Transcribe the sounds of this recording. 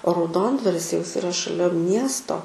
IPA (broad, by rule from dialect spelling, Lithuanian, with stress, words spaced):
oː rɐʊˈdoːndʋɐrʲɪs jɛʊ ˈjɪs ɪˈrɐ ʃɐˈlʲɛ ˈmʲiɛstoː